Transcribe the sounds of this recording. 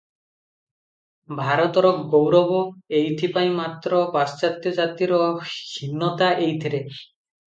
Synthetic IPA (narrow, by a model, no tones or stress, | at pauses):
bʱaɾɔt̪ɔɾɔkɡowɾɔbɔejt̪ʰipaĩmat̪ɾɔpast͡ʃat̪jɔd͡ʒat̪iɾɔkʰinːɔt̪aʔejt̪ʰiɾe